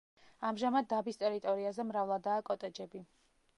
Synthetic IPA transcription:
amʒamad̪̚ːabist̪ʼɛɾit̪ʼɔɾiazɛmɾavlˠad̪aːkʼɔt̪ʼɛd͡ʒɛbi

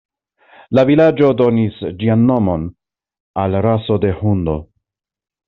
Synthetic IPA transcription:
lavilad͡ʒo̞do̞nisd͡ʒianːo̞mo̞n | alɾaso̞de̞hundo̞̰

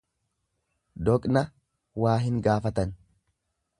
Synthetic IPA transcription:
d̪ɔkʼnɐ | waːɦɪŋɡaːfɐt̪ɐn

